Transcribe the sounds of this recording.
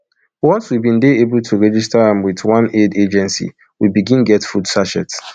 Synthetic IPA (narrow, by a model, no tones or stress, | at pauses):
wɔswibĩn̩deebʊltʰuɹɛd͡ʒistaãmwɪtwãneded͡ʒɛ̃nsḭ | wibiɡĩnɡɛtfudsaʃɛt